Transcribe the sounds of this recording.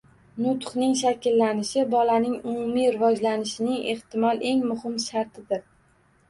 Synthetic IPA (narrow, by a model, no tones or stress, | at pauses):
nʊt̪χnɪŋʃ̬akʲɪlːanɪʃɪbɒlanɪŋʊmʊmijɾɪvɒd͡ʒlanɪʃɪnɪŋeht̪ɪmɒlˠʔe̞ŋmʊhɪmʃaɾt̪ʰɪd̪ɪɾ